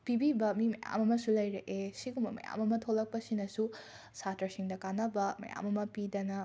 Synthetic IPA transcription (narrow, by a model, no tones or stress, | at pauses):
pibibɐmimɐja̰mɐmɐsulɐjɾɐʔesiɡumbɐmɐ̰ja̰mɐmɐtʰolɐk̚pɐsinɐsu | satʰɾɐsiŋdɐkanɐbɐmɐ̰ja̰mɐmɐpidɐnɐ